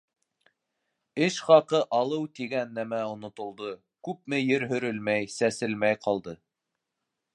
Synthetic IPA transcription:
ɘʃχɑqɤʔɑlˠɤwt̪iɡænːæmæŏnŏt̪ŏlˠd̪ɤ | kʉp̚mɘjɘɾɦɵ̆ɾɘ̆lmæjsæsɘlmæjqɑlˠd̪ɤ

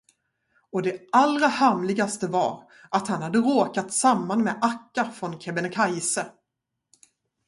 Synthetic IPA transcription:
ɔd̪ɛalɾahamlɪɡast̪əva̰ɾ | ʔat̪hanhad̪ːəɾoːkat̪samːanmɛʔakːaɾfɾɔnkʰɛbɛnɛkʰajsə

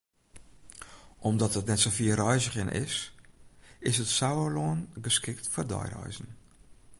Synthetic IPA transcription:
ʔɔmdɔtətnɛtsofiərɔjzəχɪnʔɪ̰s | ɪsətsawəloːnɡəskɪktfərdɔ̰jrɔ̰jzn̩

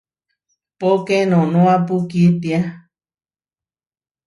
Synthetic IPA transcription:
pokenõnũap̬ukit̪ia

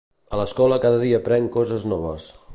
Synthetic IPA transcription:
ələskɔləkaðəðiəpɾɛŋkɔzəznɔβ̞əs

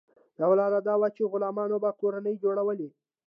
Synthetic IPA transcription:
d̪awlɑd̪ad̪ɑwat͡ʃeɣʊlɑmɑnobakoɾanəjd͡ʒoɽawəli

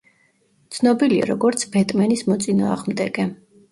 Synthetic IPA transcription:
t̪sʰnɔbilia̰ɾɔɡɔɾt̪sʰbɛt̪ʼmɛnismɔt̪sʼinaaʁmd̪ɛɡɛ

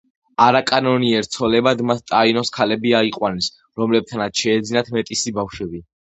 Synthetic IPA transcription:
aɾakʼanɔniɛɾt̪sʰɔlɛbad̪mat̪ʰt̪ʼainɔskʰalɛbiaiqʼwanɛs | ɾɔmlɛb̚t̪ʰanat̪sʃɛːd̪zinat̪ʰmɛt̪ʼisibafʃwɛbi

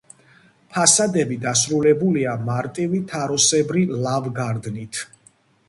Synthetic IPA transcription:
pʰasad̪ɛbid̪asɾulɛbuliamaɾt̪ʼivit̪ʰaɾɔsɛbɾilavɡaɾd̪nit̪ʰ

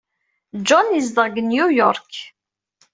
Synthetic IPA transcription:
d͡ʒɔnəzd̪əʁɡənjujɔɾˤk

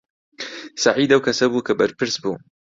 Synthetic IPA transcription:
saʕiːd̪ɐwkʰɐsɐbuːkʰɐbɐɾpɨɾsbuː

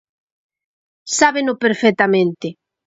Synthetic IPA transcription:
saβenʊpeɾfet̪amẽnt̪ɪ

